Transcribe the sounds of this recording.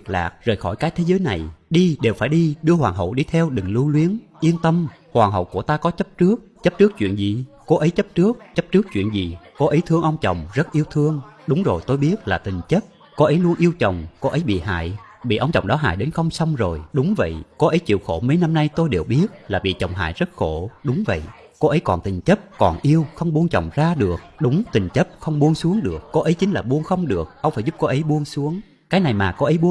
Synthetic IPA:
k̚la̰ː˨˩k̚zəː˨˩jxɔ˧˩jkaː˨˦k̚t̪ʰe˨˦zəː˨˦jna˨˩jɗi˧ɗe˨˩wfaː˧˩jɗi˧ɗɨ˧əhwaː˨˩ŋɦə̰˧˨wɗi˧t̪ʰɛ˧wɗɨ˨˩ŋlu˧ənlwi˨˦ənʔi˧ənt̪ə˧mhwaː˨˩ɦə̰˧˨wku˧˩ət̪aː˧kɔ˨˦t͡ɕə˦˥p̚t͡ɕɨ˦˥ək̚t͡ɕə˦˥p̚t͡ɕɨ˦˥k̚t͡ɕwḭ˧˨ənzḭ˨˩ko˨˦ʔə˨˦jt͡ɕə˦˥p̚t͡ɕɨ˦˥ək̚t͡ɕə˦˥p̚t͡ɕɨ˦˥ək̚t͡ɕwḭ˧˨ənzi˨˩ko˧˦ʔə˨˦jt̪ʰɨ˧əŋʔə˧wŋ͡mt͡ɕə˨˩wŋ͡mzə˦˥t̚ʔi˧əwt̪ʰɨ˧əŋɗʊ˨˦ŋ͡mzo˨˩jt̪o˧jɓi˦˥ət̚laː˨˩t̪ï˨˩ŋ̟t͡ɕə˦˥t̚ | ko˧ʔə˨˦jlu˧ənʔi˧əwt͡ɕə˨˩wŋ͡mko˧ʔə˨˦jɓḭ˧˨ɦa̰ː˧˨jɓḭ˧˨ʔə˧wŋ͡mt͡ɕə˨˩wŋ͡mɗɔ˨˦ɦa̰ː˧˨jɗe˨˦nxə˧wŋ͡msa˧wŋ͡mzo˨˩jɗʊ˨˦ŋ͡mvə̰˧˨jko˧ʔə˨˦jt͡ɕḭ˧˨əwxo˧˩mə˨˦jna˧mna˧jt̪o˧jɗe˨˩wɓi˦˥ət̚laː˨˩ɓḭ˧˨t͡ɕə˨˩wŋ͡mɦa̰ː˧˨jzə˦˥t̚xo˧˩ɗʊ˨˦ŋ͡mvə̰˧˨j | ko˧ʔə˨˦jkɔ˨˩nt̪ï˨˩ŋ̟t͡ɕə˦˥p̚kɔ˨˩nʔi˧əwxə˧wŋ͡mɓu˧ənt͡ɕə̰˨˩wŋ͡mzaː˧ɗɨ˨˩ək̚ɗʊ˨˦ŋ͡mt̪ï˨˩ŋ̟t͡ɕə˦˥p̚xə˧wŋ͡mɓu˧əŋsu˨˦əŋɗɨ˨˩ək̚ːo˧ʔə˨˦jt͡ɕï˨˦ŋlaː˨˩ɓu˧ənxə˧wŋ͡mɗɨ˨˩ək̚ʔə˧wŋ͡mfaː˧˩jzʊ˦˥p̚kɔ˧ʔə˨˦jɓu˧əŋsu˨˦əŋ | kaː˨˦jna˨˩jmaː˨˩kɔ˨˦ʔə˨˦jɓu˧

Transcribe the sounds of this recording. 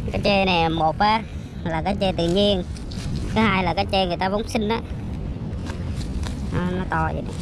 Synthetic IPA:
kaː˨˦jt͡ɕe˧nɛ˨˩mo˨˩t̚aː˨˧˦ | laː˨˩kaː˨˥jt͡ɕe˧t̪ɨ̰˧˨ɲi˧ən | kaː˨˦haː˧jlaː˨˩kaː˨˦jt͡ɕe˧ŋɨ˨˩əjt̪aː˧və˨˧˦wŋ͡msï˧ŋ̟ʔaː˨˧˦ | nɔ˨˦nɔ˨˦t̪ɔ˧zḭ˨˩ɗa˨˧

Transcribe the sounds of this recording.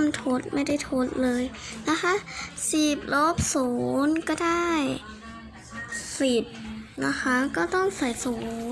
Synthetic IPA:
mt̪ʰo˦˥t̪̚ma˥˩jda˥˩jt̪ʰo˦˥t̪̚lɤː˧jna˦˥kʰa˦˧˥siː˨˩p̚lo˦˥˩p̚suː˩˦nkɔː˥˩daː˥˩j | si˨˩t̪̚na˧˥kʰa˦˥kɔː˥˩t̪ɔ˥˩ŋsa˨˩jsuː˩˦˩

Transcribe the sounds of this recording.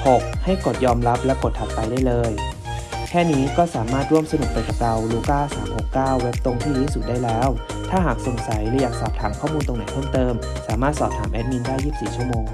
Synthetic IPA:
ho˨˩k̚ha˥˩jko˨˩t̪̚jɔː˧mɾa˦˥p̚lɛ˦˥wko˨˩t̪ʰːa˨˩p̚pa˧jdaː˥˩jlɤː˧j | kʰɛː˥˩niː˦˥kɔː˥˩saː˨˩˦maː˥˩t̪̚ɾu˥˩əmsa˧nu˨˩k̚p̪a˧jka˨˩pɾa˧wluː˧kaː˥˩sa̰ː˩˦mho˨˩kːaː˥˩wːe˦˥p̚t̪o˧ŋt̪ʰiː˥˩ɾuː˦˥su˨˩t̪̚daː˥˩jlɛː˦˥wt̪ʰaː˥˩ɦaː˨˩k̚so˨˩˦ŋsa˩˦jlɯː˧˦jaː˨˩k̚sɔː˨˩p̚t̪ʰaː˩˦mkʰɔː˥˩muː˧nt̪o˧ŋna˨˦jpʰɤ˥˩mt̪ɤː˧m | saː˨˩˦maː˥˩t̪̚sɔː˨˩p̚t̪ʰaː˩˦mʔɛ˦˥t̪̚mi˧ndaː˥˩jːiː˥˩psiː˨˩t͡ɕʰu˥˩əmoː˧ŋ

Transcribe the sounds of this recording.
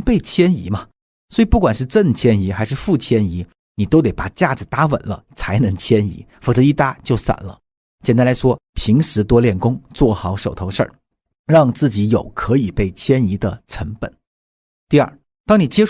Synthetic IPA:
pe˥˩ɪt͡ɕʰjɛ˥nḭ˧˥mɐ˧ | swɔ˧˥i˨˩pu˥˩kwa˨˩nʂ̬ɻ̩˥˧ʈ͡ʂə˥˩nt͡ɕʰjɛ˥ni˧˥xa˧˥ɪʂɻ̩˥˧fu˥˩t͡ɕʰjɛ˥ni˧˥ | ni˨˩t̪o˥ʊt̪e˨˧˥ɪpa˨˩t͡ɕja˥˩d͡zɹ̩˩t̪a˥wə̰˨˩nlə̰˦t͡sʰa˧˥ɪnɤ˧˥ŋt͡ɕʰjɛ˥nḭ˧˥ | fɔ˨˩t͡sɤ˧˥i˥˩t̪a˥t͡ɕjo˥˩ʊsa̰˨˩nlə̰˦ | t͡ɕʰjɛ˨˩nt̪a˥˩la˧˥ɪʂwɔ˥pʰi˧˥ŋʂɻ̩˧˥t̪wɔ˥ljɛ˥˩nkʊ˥ŋt͡swɔ˥˩xɑ˧˥ʊʂo˨˩ʊt̪ʰo˧˥ʊʂə̰˞˥˩ | ɻɑ˥˧ŋt͡sɹ̩˥˩t͡ɕi˧˥jo˨˩ʊkʰɤ˧˥i˨˩pe˥˩ɪt͡ɕʰjɛ˥ni˧˥d̪ə˧ʈ͡ʂʰə˧˥ŋpə̰˨˩˦n | t̪i˥˧ɐ̰˞˥˩ | t̪ɑ˥ŋni˨˩t͡ɕjɛ˥

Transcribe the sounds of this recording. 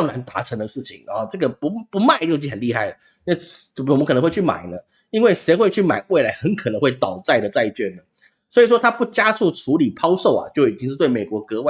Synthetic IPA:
ŋna˧˥nt̪a̰˧˥ʈ͡ʂʰə˧˥ŋd̪ə˧ʂɻ̩˥˩t͡ɕʰi˨˩˦ŋɔ˨˩ʈ͡ʂɤ˥˩ɡə˩pu˧˥pu˧˥ma˥˧ɪt͡ɕo˥˧t͡ɕxə˨˩nli˥˧xa˥˩ɪlə˩˥˧ | wm˦kʰnə˧˦ŋwt͡ɕʰy˥˩ma̰˨˩ɪnə˦ | i˥nwe˥˩ɪʂe˧˥ɪxwe˥˧ɪt͡ɕʰy˥˩ma˨˩ɪwe˥˩ɪla˧˥ɪxə˧˥˦nkʰə˨˩nə˧˥ŋxwe˥˩ɪt̪ɑ˨˩ʊt͡sa˥˩ɪd̪ə˩t͡sa˥˧ɪt͡ɕɥɛ˥˩nə˩ | swɔ˧˥i˨˩ʂwɔ˥t̪ʰa˥pu˥˩t͡ɕja˥su˥˩ʈ͡ʂʰu˧˥li˨˩pʰɑ˥ʊʂo˥˩ʊa̰˨t͡ɕjo˥˩ʊi˨˩t͡ɕi˥ŋʂ̩˥˧t̪we˥˩me˨˩kwɔ˧˥kɤ˧˥we˥˧

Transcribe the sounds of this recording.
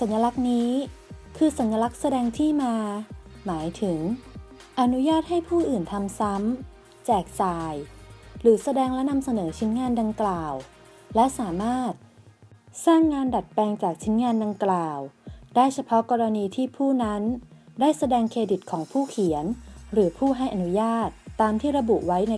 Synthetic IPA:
sa˩˦nja˧la˦˥k̚niː˦˥kʰɯː˧sa˩˦nja˧la˦˥k̚sa˧dɛː˧ŋt̪ʰiː˥˩maː˧maː˩˦jt̪ʰɯ˩˦ŋ | ʔa˧nu˦˥jaː˥˩t̪̚ha˥˩jpʰuː˥˩ʔɯː˨˩nt̪ʰa˧msa˦˥m | t͡ɕɛː˨˩k̚saː˧jɾɯː˩˦sa˧dɛː˧ŋlɛ˦˥na˧msa˧nɤː˩˦t͡ɕʰi˦˥nŋaː˧nda˧ŋklaː˨˩w | lɛ˦˥saː˩˦maː˥˩t̪̚ | saː˥˩ŋːaː˧nda˨˩t̪̚pɛː˧ŋt͡ɕaː˨˩k̚t͡ɕʰi˦˥nŋaː˧nda˧ŋklaː˨˩wdaː˥˩jt͡ɕʰa˧pʰɔ˦˥kɔː˧ɾa˧niː˧t̪ʰiː˥˩pʰuː˥˩na˦˥ndaː˥˩jsa˧dɛː˧ŋkʰeː˧di˨˩t̪̚kʰɔː˩˦ŋpʰuː˥˩kʰi˨˩˦ənɾɯː˩˦pʰuː˥˩ɦa˥˩jʔa˨nu˦˥jaː˥˩t̪ːaː˧mt̪ʰiː˥˩ɾa˧bu˨˩ʔwa˦˥jna˧

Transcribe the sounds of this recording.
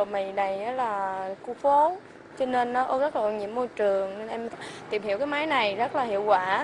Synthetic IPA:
o˨˩mi˨˩˨na˨˩jʔə˨˦laː˨˩ku˧fo˨˦ | t͡ɕɔ˧ne˧nːɔ˨˦ʔə˧˦zə˦˥t̚la˨˩ɲḭ˧˥əmːo˧jt͡ɕɨ˨˩əŋne˧nʔɛ˧mt̪i˨˩mhi˧˨əwkaː˨˦jmaː˨˦jna˨˩jzə˦˥t̚laː˨˩hḭ˧˨əwkwaː˧˩

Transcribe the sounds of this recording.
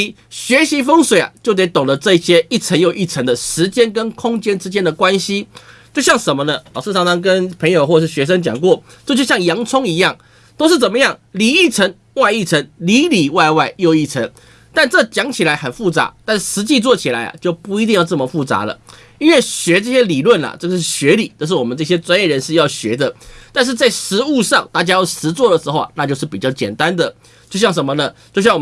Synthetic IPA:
ɕɥɛ˧˥ɕi˧˥fɤ˥ŋswe˨˩ɪa̰˨˩t͡ɕjo˥˩ʊt̪̬e˧˥ɪt̪o˨˩ŋlə˦ʈ͡ʂɤ˥˧i˥˩ɕjɛ˥i˥˩t͡sʰə˧˥njo˥˧ʊʔi˥˩ʈ͡ʂʰə˧˥ŋd̪ə˨ʂɻ̩˧˦t͡ɕjɛ˥nkə˥nkʰʊ˥ŋt͡ɕjɛ˥nʈ͡ʂɻ̩˥t͡ɕjɛ˥nd̪ə˨kwa˦nɕi˥˦t͡ɕjo˥˧ʊɕjɑ˥˩ŋʂə˧˦nmə˧nə˧lɑ˨˩ʊʂ̩˥˩t̪ʰɑ˥ŋtɑ˧˥ŋkə˦npʰə˧˥ŋjo˨˩xwɔ˥˩ə˩ʂ̩˥˩ɕɥɛ˧˥ʂ̬ə˥˦ŋt͡ɕjɑ̰˨˩ŋkwɔ˥˨ | t͡ɕjo˥˧t͡ɕjo˥˧ɕjɑ˥˩ŋjɑ˧˥ŋt͡sʰʊ˥ŋi˧˥jɑ˥˩ŋ | t̪o˥ʊʂ̬ɻ̩˥˩t͡sə˨˩nmə˦jɑ˥˩ŋli˨˩i˥˩ʈ͡ʂʰə˧˥ŋ | wa˥˧ɪi˥˩t͡sʰə˧˥ŋli˧˥li˨˩wa˥˧ɪwa˥˧ɪjo˥˧ʊi˥˩t͡sʰə̰˧˥ŋ | t̪a˥˧nʈ͡ʂɤ˥˩t͡ɕjɑ˧˥ŋt͡ɕʰi˨˩la˧˥ɪxə˨˩nfu˥˩t͡sa̰˧˦t̪a˥˩nʂɻ̩˧˥t͡ɕi˥˧t͡swɔ˥˩t͡ɕʰi˨˩la̰˧˥ɪa̰˨˩t͡ɕjo˥˧ʊpu˥˧i˧˥t̪i˥˧jɑ˥˧ʊt͡sə˥˩mə˩fu˥˩t͡sa̰˧˥lə̰˨ | i˥nwe˥˩ɕɥɛ˧˥ʈ͡ʂɤ˥˩ɕjɛ˥li˨˩lwə˥˩na̰˩ʈ͡ʂɤ˥˧ɡə˧ʂɻ̩˥˩ɕɥɛ˧˥li˨˩˦t͡ɕ̪o˥˧ʂ̬ɻ̩˥˩wɔ˨˩mə˦nʈ͡ʂɤ˥˩ɕ̬jɛ˥t͡swa˥njɛ˥˩ɻə˧˦nʂɻ̩˥˧jɑ˥˩ʊɕɥɛ˧˥d̪ə˧t̪a˥˧nʂ̬̩˥˧t͡sa˥˩ɪʂɻ̩˧˥u˥˧ʂɑ˥˧ŋt̪a˥˩t͡ɕja˥jo˥˩ʊʂɻ̩˧˥t͡swɔ˥˩d̪ə˩ʂɻ̩˧˥xo˥˩ʊa̰˨na˥˧t͡ɕjo˥˧ʊʂ̬ɻ̩˥˩pi˨˩t͡ɕjɑ˥˩ʊt͡ɕjɛ̰˨˩nt̪a˦nd̪ə˨ | t͡ɕjo˥˧ʊɕjɑ˥˩ŋʂə˧˥mə˧nə˨t͡ɕjo˥˧ʊɕjɑ˥˩ŋwɔ˨˩

